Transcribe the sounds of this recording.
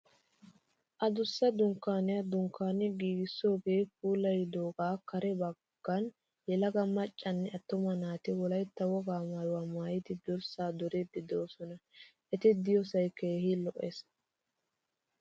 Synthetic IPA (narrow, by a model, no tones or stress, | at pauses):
ʔɐd̪ʊsːɐd̪ʊŋkːaːnɪjɐd̪ʊŋkːaːnɪɡiːɡɪsːo̞ːɡe̞ːp̚uːlɐjd̪oːɡaːkɐɾɛbɐɡ̥ːɐn | jɛlɐɡɐmɐt͡ʃʼːɐnːɛɐt̪ːʊmɐnaːt̪ɪwɔlɐjt̪ːɐwɔɡaːmaːjʊwaːmaːjɪt̪ɪd̪ɔɾsaːd̪ɔɾeːd̪ːɛd̪oːsɔnɐʔɛt̪ɪd̪ɪjɔsɐjkeːhɪlɔʔes